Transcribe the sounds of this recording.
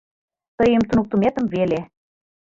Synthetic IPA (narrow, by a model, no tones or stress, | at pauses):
t̪ɤjə̆mt̪unuk̚t̪umet̪ə̆mvele